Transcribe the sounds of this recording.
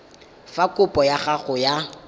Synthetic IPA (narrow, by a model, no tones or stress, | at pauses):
fakʼʊpʼɔjaχaχʊja